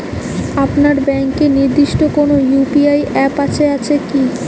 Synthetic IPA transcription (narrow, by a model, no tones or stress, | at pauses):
apnaɾbɛŋkeniɾd̪iʃʈokonojupiajɛpat͡ɕʰeat͡ɕʰeki